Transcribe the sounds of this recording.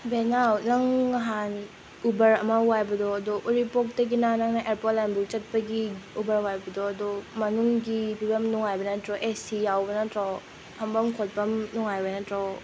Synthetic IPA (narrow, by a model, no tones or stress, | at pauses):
benawnɐŋːɐɦan | ubɐɾɐmɐwajbɐdɔɐdɔʔuɾipok̚dɐɡinanɐŋnaʔeɾpotlajmbuk̚t͡ʃɐt̚pɐɡiubɐɾwajbɐdɔːdɔmɐnuŋɡibibɐmnuŋajbɐnɐtɾɔʔesijawbɐnɐtɾɔ | pʰɐmbɐmkʰot̚pɐmnuŋajbɐnɐtɾɔ